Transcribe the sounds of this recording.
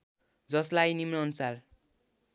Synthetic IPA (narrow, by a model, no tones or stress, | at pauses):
d͡zʌslajnimnʌʌnusar